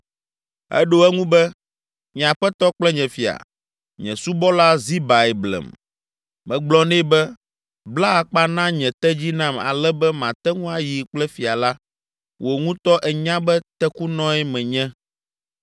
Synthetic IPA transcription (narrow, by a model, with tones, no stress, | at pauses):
ɛ̰˦ɖo˦ɛ˦ŋũ˦bɛ˦ | ɲ˨ã˨ɸɛ˦t̪ɔ˦k͡plɛ˦ɲɛ̃˨fi˨a̰˨ | ɲɛ̰̃˨su˦bɔ˦la˦zi˦ba˨ɛ˨blɛ̰˨m | mɛ̃˨ɡ͡blɔ˦nɛ̃˦bɛ˦ | bla˦a˨k͡pa˦nã˦ɲɛ̃˨t̪ɛ˦d͡ʑi˦nã˦ma̰˨lɛ˦bɛ˦mã˨t̪ɛ˦ŋũ˦a˨ji˨k͡plɛ˦fi˨a˨la˦ | wʔo˨ŋũ˦t̪ɔ˦ʔɛ˨ɲã˦bɛ˦t̪ɛ˦ku˦nɔ̃˦ɛ˦mɛ̃˨ɲɛ̃˦